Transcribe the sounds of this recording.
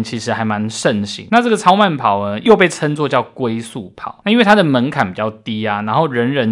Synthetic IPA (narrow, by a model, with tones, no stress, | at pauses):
t͡ɕʰi˧˥ʂɻ̩˧˥xa˧˥ɪma˧˦nʂə˥˨˩nɕḭ˧˦ŋna˥˧ʈ͡ʂə˥˩ɡə˨˩t͡sʰɑ˥ʊma˥˨npʰɑ˨˩ʊə˦jo˥˧ʊp̬e˥˩ɪt͡sʰə˥˦nt͡swɔ˥˧t͡ɕjɑ˥˨ʊkwe˦ɪsu˥˩pʰɑ̰˨˩˦ʊna˥˧i˥nwe˥˩ɪt̪ʰa˥d̪ə˨˩mə˧˦nkʰa˨˩npi˨˩t͡ɕɑ˥˩ʊt̪i˦˥a˨na˧˥nxo˥˩ʊɻə˧˦˥nɻə˧˦n